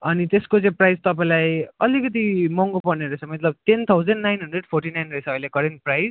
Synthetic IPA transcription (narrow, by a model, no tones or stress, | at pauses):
ʌnit̪eskot͡sʌ̃ĩprajd͡zt̪ʌpaĩlajʌlikʌt̪̬imʌŋɡopʌrneɾʌt͡sʰʌmʌt̪lʌb̚t̪ent̪ʰawd͡zʌnɖnajnɦʌnɖdreɖpʰorʈinajnrʌit͡sʰʌːilekʌɾenʈ̚prajz